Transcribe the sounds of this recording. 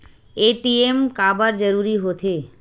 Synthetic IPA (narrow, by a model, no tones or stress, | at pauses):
eʈiemkabaɾd͡ʑəɾuɾiɦot̪ʰe